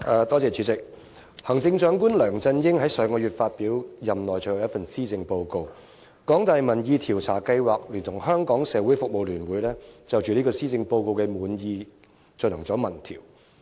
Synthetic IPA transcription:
ʔɛː˨˧t̪ɔː˥t͡sɛː˨˧t͡ʃʰyː˨˥t͡sɪ˨k̚ | hɐ˨˩ŋt͡sɪ˧ŋt͡ʃœː˨˧ŋkuː˥nlœː˨˩ŋt͡sɐ˧njɪ˥ŋɦɐ˨˥jsœː˨˧˥ŋkɔː˧jyː˨t̚faː˧t̚piː˨˥wjɐ˨mnɔː˨˩jt͡ʃɔ˨˩jjɐ˥tfɐ˨nsiː˥t͡sɪ˧ŋpo˧wko˧w | kɔː˨˥ŋt̪aː˨jmɐ˨˩njiː˧t̪ʰiː˨˩wt͡sʰaː˨˩kɐ˧jwaː˨˩k̚lyː˨˩nt̪ʰʊ˨˩ŋɦœː˥ŋkɔː˨˥ŋsɛː˨˧wuː˨˥jfʊ˨k̚mo˨wlyː˨˩nwuː˨˥jlɛː˥t͡sɐ˨wt͡ʃyː˨liː˥kɔː˧siː˥t͡sɪ˧ŋpo˧wko˧wkɛː˧muː˨˥njiː˧ | t͡sɔ˧nɐ˨˩ŋt͡sɔː˨˥mɐ˨˩nt̪ʰḭː˨˩w

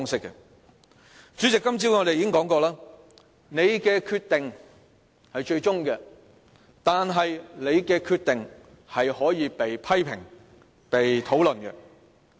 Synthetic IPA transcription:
ŋsɪ˥kːɛ̰˨ | t͡ʃy˨˥t͡sɪ˨kːɐ˥mt͡siː˥wŋɔ˨˧ɾe˨jiː˨˥kɪ˥ŋkɔː˨˥ŋkɔː˧laː˥ | ne˨˧jkɛː˧kʰyː˧t̪ɪ˨ŋ | hɐ˨jt͡ʃɵ˧ɥt͡ʃʊ˥ŋkɛ˧ | t̪aː˨nɦɐ˨jnle˨˧jkɛː˧kʰyː˧t̪ɪ˨ŋ | hɐ˨jhɔː˨˥jiː˨˧pe˨jpʰɐ˥jpʰɪ̰˨˩ŋ | pe˨jt̪ʰo˨˥wlɵ˨nkɛ̰˧

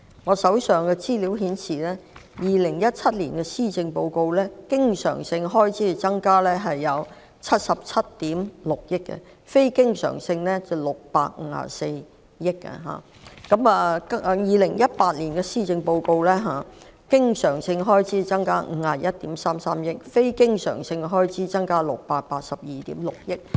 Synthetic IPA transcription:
ŋɔː˨˧sɐ˨˥wsœː˨ŋkɛ˧t͡siː˥li˨˥wɦiː˨˥nsiː˨˩lɛː˥jiː˨lɪ˨˩ŋjɐ˥t̚t͡sʰɐ˥t̚liː˨˩nkɛ˧siː˥t͡sɪ˧ŋpo˧wko˧wlɛː˥kɪ˥ŋsœ̰ː˨˩ŋsɪ˧ŋɦɔː˥jt͡sʰiː˨˥˨t͡sɐ˥ŋkaː˥lɛː˥ɦɐ˨jːɐ˨˧w | t͡sʰɐ˥t̚sɐ˨p̚t͡sʰɐ˥t̚t̪iː˨˥mlʊ˨k̚jɪ˥kːɛ̰˧ | fe˥jkɪ˥ŋsœ̰ː˨˩ŋsɪ˧ŋlɛ˥t͡sɐ˨˩wlʊ˨k̚pa̰ː˧k̚ŋ̩˨˧˥ha̰ː˨˩se˧j | jɪ˥kːɛ̰˧ɦa̰ː˨˩ | kɐ˨˥mɛ˨˧kɐ˥˧jiː˨lɪ˨˩ŋjɐ˥t̚paː˧t̚liː˨˩nkɛ˧siː˥t͡sɪ˧ŋpo˧wko˧wlɛː˥ɦaː˨ | kɪ˥ŋsœː˨˩ŋsɪ˧ŋɦɔː˥jt͡sʰiː˨˥t͡sɐ˥ŋkaː˥ŋ̩ː˨˧˥haː˨jɐ˥t̚t̪iː˨˥msaː˥msaː˥mjɪ˥k̚fe˥jkɪ˥ŋsœ̰ː˨˩ŋsɪ˧ŋɦɔː˥jt͡siː˨˥t͡sɐ˥ŋkaː˥lʊ˨k̚paː˧t̚paː˧t̚sɐ˨p̚jiː˨t̪ḭː˨˥mlʊ˨k̚jɪ˥k̚

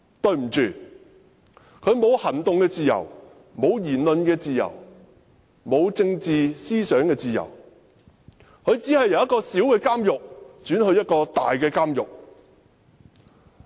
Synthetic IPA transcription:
t̪ɵ˧ɥm̩˨˩t͡ʃyː˨ | kʰɵ˨˧ɥmo˨˧whɐ˨˩nt̪ʊ˨ŋkɛː˧t͡siː˨jɐ̰˨˩w | mo˨˧wjiː˨˩nlɵ˨nkɛː˧t͡siː˨˧jɐ̰˨˩w | mo˨˧wt͡sɪ˧ŋt͡siː˨siː˥sœː˨˥ŋkɛː˧t͡siː˨jɐ̰˨˩w | kʰɵ˨˧ɥt͡siː˨˥hɐ˨jːɐ˨˧wjɐ˥t̚kɔː˧si˨˥wkɛː˧kaː˥mjʊ˨k̚t͡ʃyː˨˥nhɵ˧ɥjɐ˥t̚kɔː˧t̪aː˨jkɛː˧kaː˥mjʊ̰˨k̚

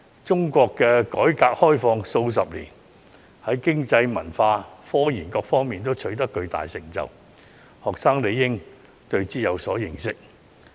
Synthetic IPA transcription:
t͡sʊ˥ŋkʷɔː˧kːɛː˧kɔː˨˥jkaː˧k̚hɔː˥jfɔː˧ŋso˧ws̬ɐ˨p̚lḭː˨˩n | hɐ˨˥jkɪ˥ŋt͡sɐ˧jmɐ˨˩nfaː˧fɔː˥jiː˨˩nkɔː˧k̚fɔː˥ŋmiː˨nt̪̬o˥wt͡ʃʰɵ˨˥ɥt̪ɐ˥kːɵ˧ɥt̪a̰ː˨jsɪ̰˨˩ŋt͡sɐ̰˨w | hɔː˨k̚saː˥ŋle˨˧jːɪ˥ŋ | t̪ɵ˧ɥt͡siː˥jɐ˨˧wsɔː˨˥jɪ˨˩ŋsɪ˥k̚

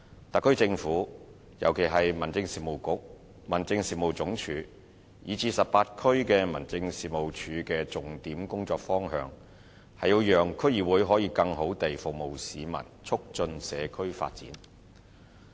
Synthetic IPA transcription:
t̪ɐ˨kʰːɵ˥ɥt͡sɪ˧ŋfuː˨˥ | jɐ̰˨˩wkʰe˨˩jɦɐ˨jmɐ˨˩nt͡sɪ˧ŋsiː˨mo˨˩wkʊ˨˥k̚ | mɐ˨˩nt͡sɪ˧ŋsiː˨mo˨wt͡sʊ˨˧˥ŋt͡ʃʰyː˨˧ | jiː˨˧t͡siː˧sɐ˨p̚ːaː˧t̚kʰɵ˥ɥkɛː˧mɐ˨˩nt͡sɪ˧ŋsiː˨mo˨˩wt͡ʃʰyː˨˧kɛː˧t͡sʊ˨ŋt̪iː˨˥mkʊ˥ŋt͡sɔː˧k̚fɔː˥ŋɦœ̰ː˨˧ŋ | hɐ˨ji˧wjœː˨ŋkʰɵ˥ɥjiː˨˩wuː˨˧jɦɔː˨˥jiː˨˧kɐ˧ŋɦo˨˥wt̪e˨jfʊ˨k̚mo˨˩wsiː˨˧mɐ̰˨˩nt͡ʃʰʊ˥k̚t͡ʃɵ˧nsɛ̰ː˨˧kʰɵ˥ɥfa̰ː˧t̚t͡sḭː˨˥n

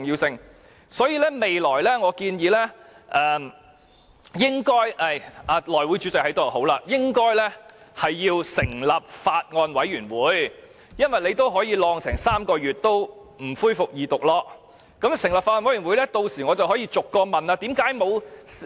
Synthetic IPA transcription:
ŋjiː˧wsɪ˧ŋ | sɔː˨˥jiː˧lɛː˥me˨jlɔː˨˩jlɛ˥ŋɔː˨˧kiː˧njiː˨˧lɛː˥ | ʔɛː˨˩ | jɪ˥ŋkɔː˥jɐ˨˧˩jaː˧lɔː˨˩jwuː˨˥jt͡ʃy˨˥t͡sɐ˨k̚hɐ˨˥jt̪o˨˩ho˨˥wlaː˧jɪ˥ŋkɔː˥jlɛ˥hɐ˨jːiː˧wsɪ˨˩ŋlɐ˨p̚faː˧t̚ŋɔː˧nwɐ˨˥jɥyː˨˩nwuː˨˧˥j | jɐ˥nwɐ˨jle˨˧jt̪o˥wɦɔː˨˥jiː˨˧lɔː˧ŋsʰɛː˨˩ŋsaː˥mkɔː˧jyː˨˩t̚t̪o˥w | m̩˨˩fuː˥jfʊ˨k̚jiː˨t̪ʊ˨k̚lɔː˧ | kɐ˨˥msɪ˨˩ŋlɐ˨p̚faː˧ɔː˧wɐ˨˥jyː˨˩wuː˨˥jlɛː˥t̪o˧wsiː˨˩ŋɔ˨˧t͡sɐ˨wɦɔː˨˥jiː˧t͡sʊ˨kːɔː˧mɐ˨naː˧t̪iː˨˥mkaː˨˥jmo˨˧w

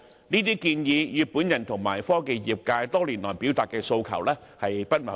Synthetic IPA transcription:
niː˥t̪iː˥kiː˧njiː˨˧jyː˨˩t̚puː˨˥njɐ˨˩nt̪ʰʊ˨˩ŋma̰ː˨˩jfɔː˥ke˧jjiː˨˩p̚kaː˧jt̪ɔː˥liː˨˩nlɔː˨˩jpiː˨˥wt̪aː˨t̚kɛː˧so˧wkʰɐ̰˨˩wlɛː˥ | hɐ˨jpɐ˥t̚mɐ̰˨˩

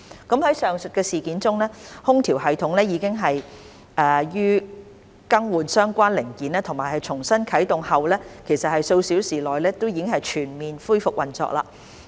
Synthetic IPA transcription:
kɐ˨˥mhɐ˨˥jsœː˨˩ŋsɵ˨t̚kɛː˧siː˨˩kiː˨˥nt͡sʊ˥ŋlɛː˥hʊ˥ŋt̪ʰiː˨˩wɦɐ˨jt̪ʰʊ˨˥ŋlɛː˥jiː˨˧kɪ˥ŋɦɐ˨j | ʔɛː˨jyː˥ | kɐ˥ŋwuː˨˩nsœː˥ŋkʷaː˥nlɪ˨˩ŋkiː˨˥nɛː˥t̪ʰʊ˨˩ŋmaː˨˩jhɐ˨˩jt͡ʃʰʊ˨˩ŋsɐ˥nkʰɐ˨˥jt̪ʊ˨ŋhɐ˨wlɛː˥kʰe˨˩jsɐ˨t̚hɐ˨jso˧wsiː˨˥wsiː˨˩lɔː˨jlɛː˥t̪o˥wjiː˨˧kɪ˥ŋhɐ˨jt͡ʃʰyː˨˩nmiː˨nfuː˥jfʊ˨k̚wʔɐ˨˩nt͡sɔ̰ː˧˥k̚la̰ː˧

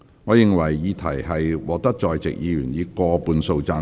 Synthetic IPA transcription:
ŋɔː˨˧jɪ˨ŋwɐ˨˩jːiː˨˧˥t̪ʰɐ˨˩jɦɐ˨jwɔː˨˩k̚t̪ɐ˥k̚t͡ʃɔː˨jt͡sɪ̰˨k̚jiː˨˧jyː˨˩njiː˨˧kɔː˧puː˨˧nso˧wt͡saː˧

